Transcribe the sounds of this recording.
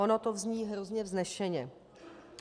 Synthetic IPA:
onot̪ovzɲiːɦɾozɲɛvznɛʃɛɲɛ

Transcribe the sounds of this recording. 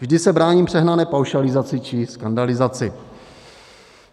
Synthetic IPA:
vʒdɪsɛbɾaːɲiːmpr̝̥ɛɦnanɛːpawʃalɪzat͡sɪt͡ʃɪskandalɪzat͡sɪ

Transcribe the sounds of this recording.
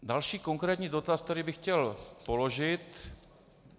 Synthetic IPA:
dalʃiːkoŋkɾɛːt̪ɲiːdo̞t̪ast̪ɛɾɪbɪxcɛlpo̞lo̞ʒɪt̪

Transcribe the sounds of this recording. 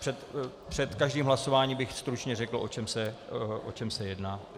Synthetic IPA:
r̥ɛt̪ | pr̝̥ɛt̪kaʒdiːmɦlaso̞vaːɲiːbɪxst̪ɾut͡ʃɲɛrɛkl̩ʔo̞t͡ʃɛmsɛʔo̰t͡ʃɛmsɛjɛdnaː

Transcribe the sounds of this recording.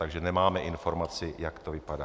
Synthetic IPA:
t̪aɡʒɛnɛmaːmɛʔɪnfo̞ɾmat͡sɪjakt̪ovɪpadaː

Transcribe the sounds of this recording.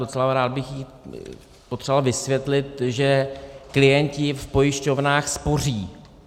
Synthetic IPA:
ot͡sɛlaɾaːd̪̚bɪxjiː | pot̪r̥valvɪsvjɛt̪lɪt̪ʒɛklɪjɛncɪfpo̞jɪʃco̞vnaːxspo̞r̝iː

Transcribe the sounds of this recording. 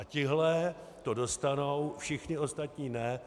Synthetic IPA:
acɪɦlɛ | t̪o̞do̞st̪ano̞wfʃɪxɲɪo̞st̪at̪ɲiːnɛ

